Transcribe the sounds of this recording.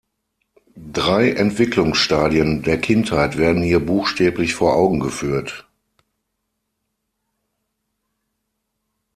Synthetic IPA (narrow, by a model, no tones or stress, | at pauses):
dʁaɪʔɛntv̥ɪklʊŋsʃtaːdiəndeːɐkʰɪnthaɪtv̥eːɐdn̩hiːɐbuːxʃtɛːplɪçfoːɐʔaʊɡŋ̩ɡəfyːɐt